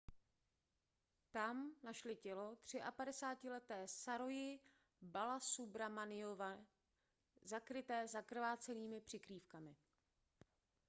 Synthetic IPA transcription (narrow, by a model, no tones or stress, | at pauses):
t̪amnaʃlɪcɛlot̪r̝̥ɪʔapadɛsaːcɪlɛt̪ɛːsaɾojɪ | balasubɾamanɪova | zakɾɪt̪ɛːzakr̩vaːt͡sɛniːmɪpr̥ɪkɾiːfkamɪ